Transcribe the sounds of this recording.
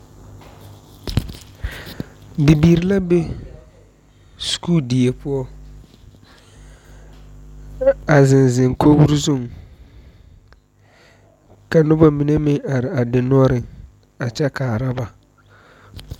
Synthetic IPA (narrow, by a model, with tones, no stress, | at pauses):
bi˨biː˨ɾi˦la˦be˦ | sku˦ldi˨e˨pʊ˦ɔ˦ | a˨zɪ˨nzɪ˨ŋkʰo˦bu˦ɾzu˦˨ŋ | ka˨nʊ˦ba˦mi˨ne˦mɪ˦a˨ɾɪ˨a˨dɪ˨n˦ɔ˦ɾɪ˨ŋ | a˨t͡ʃɛ˦kaː˨ɾa˦ba˨